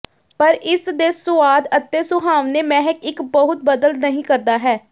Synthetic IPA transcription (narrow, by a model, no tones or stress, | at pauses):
pəɾɪsd̪eːsʊaːd̪ət̪ːeːsʊɦaːʋneːmɛːɦəkɪkbəɦʊt̪̚bəd̪əlnəɦĩːkəɾd̪aːɦɛː